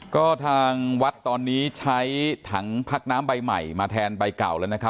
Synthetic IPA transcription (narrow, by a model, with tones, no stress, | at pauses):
kɔː˥˩t̪ʰaː˧ŋwa˦˥t̪ːɔː˧nːiː˦˥t͡ɕʰa˦˥jt̪ʰa˦˥ŋpʰa˦˥k̚naː˦˥mba˧jma˨˩jmaː˧t̪ʰɛː˧nba˧jka̰˨˩wlaː˦˥wna˦˥kʰa˦˥p̚